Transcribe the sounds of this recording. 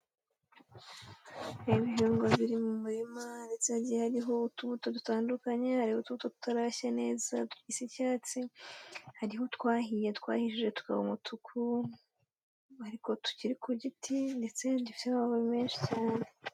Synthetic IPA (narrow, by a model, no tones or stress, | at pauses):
iβiɦuːŋɡaβiɾimumuɾimande̞t͡sehaɟijehaɾiɦo̞utuβuto̞tutaːndukaɲehaɾihotuβutotu̥taɾaɕane̞ːza̰tu̥kisicaːt͡si | haɾiɦo̞tkwaːɦije̞tkwa̰ːhiʃiʒe̞tu̥ka̰βṵmutʰukʰu | haɾiko̞tu̥ciɾikuɟitʰinde̞t͡se̞ndifi̥teaβaβoimeːnʃi̥caːne